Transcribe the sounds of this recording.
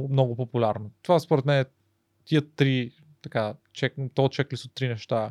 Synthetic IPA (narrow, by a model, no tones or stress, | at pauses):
mnɔɡʊpopulʲaɾnot̪ovaspoɾɛt̪mɛnɛ | t̪iət̪ɾi | t̪ɐka | t͡ʃɛkt̪ɔt̪t͡ʃɛklisot̪ːɾinɛʃt̪a